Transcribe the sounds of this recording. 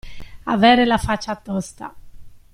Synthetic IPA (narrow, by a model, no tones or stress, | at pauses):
a̰vɛːɾelafat͡ʃːat̪ːɔst̪a̰